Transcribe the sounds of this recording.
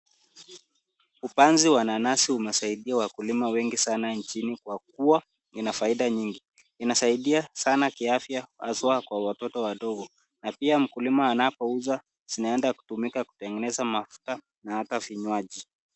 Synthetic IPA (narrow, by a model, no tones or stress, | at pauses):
upanziwananasiumɛsaiɗiawakulimawɛŋɡisanant͡ʃinikwak̚ua | inafaiɗaɲiŋɡi | inasaiɗiasanakiafjaa̰zwakwawatɔtɔwaɗɔɡɔ | napiam̩kulimaːnapɔuza | z̥inaɛndaku̥tumikaku̥tɛŋɡɛnɛzamafu̥ta | nahataviɲwaʄi